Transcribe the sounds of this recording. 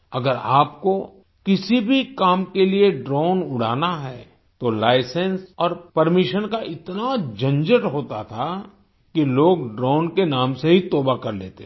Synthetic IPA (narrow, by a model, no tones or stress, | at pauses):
ɐɡəɾaːpko | kɪsibʱikaːmkelieɖɾɔːnʊɽ̤a̰ːnaɦɛː | t̪olaːɪsə̃nsɔːɾpɐɾmɪʃənkaʔɪt̪nad͡ʒɐ̃nd͡ʒəʈɦoːt̪at̪ʰa | kiloːɡɖɾɔːnkenaːmseɦit̪oːbakɐɾleːt̪e